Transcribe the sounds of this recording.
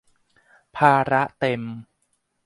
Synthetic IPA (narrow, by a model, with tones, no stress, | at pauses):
pʰaː˧ɾa˦˥ʔt̪e˧m